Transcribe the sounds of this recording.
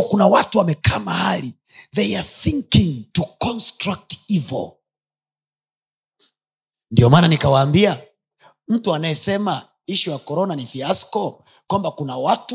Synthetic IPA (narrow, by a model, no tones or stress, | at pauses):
kunawatuwamɛkaːmahali | ðejaθiŋkiŋtukɔnstɾak̚tivɔ̰ | ndiɔmaːnanikawaːmbia | m̩tuanajɛsɛma | iʃiwakɔɾɔnanifiaskɔ | kwambakunawatu